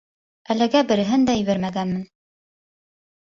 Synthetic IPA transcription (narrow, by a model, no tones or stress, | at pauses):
ælɘ̆ɡæbɘ̆ɾɘ̆ɦɘnd̪æjɘ̆βæɾmæɡænmɘn